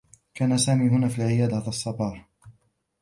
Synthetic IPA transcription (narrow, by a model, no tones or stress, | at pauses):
kʰaːnasaːmiːɦʊnaːfiːlʕɪjaːd̪aðsˤːɑbɑːɾˤ